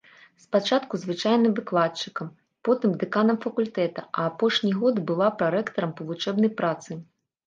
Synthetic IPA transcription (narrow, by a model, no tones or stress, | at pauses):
spat͡ʂat̪kuzvɨt͡ʂajnɨmvɨklˠat͡ʂɨkɐm | pɔt̪ɨmd̪ɨkanɐmfɐkulʲt̪ɛt̪ɐʔɐːpɔʂnʲiɣɔd̪bɨlˠapɾaɾɛkt̪ɐɾɐmpɐvˠut͡ʂɛbnɐjpɾat̪sɨ